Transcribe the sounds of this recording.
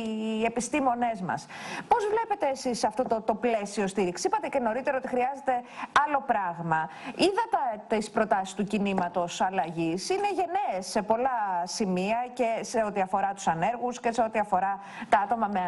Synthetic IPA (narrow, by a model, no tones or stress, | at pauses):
e̞pist̪imo̞ne̞zmɐ̰spo̞zvle̞pe̞t̪eːsisɐft̪o̞t̪ot̪o̞ple̞sio̞st̪iɾiksi̥ipɐt̪ece̞no̞ɾit̪e̞ɾɐot̪ixɾiɐze̞t̪e̞ɐlo̞pɾɐɣmɐiðɐt̪ɐt̪ispɾo̞t̪ɐsi̥st̪ucinimɐt̪o̞sɐlɐʝisineʝe̞neːsːe̞po̞lɐsimiɐce̞se̞o̞t̪iɐfo̞ɾɐt̪u̥sɐne̞ɾɣusce̞se̞o̞t̪iɐfo̞ɾɐ | t̪ɐɐt̪o̞mɐme